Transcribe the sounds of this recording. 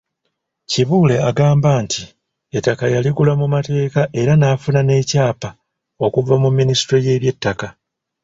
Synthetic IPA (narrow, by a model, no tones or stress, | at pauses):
ciβuːle̞aɡaːmbaːntʰi | etːakajaliɡulamumate̞ːkaʔe̞ɾanaːfunane̞ːcaːpa | o̞kuvamumːinistɾo̞je̞ːβje̞tːaka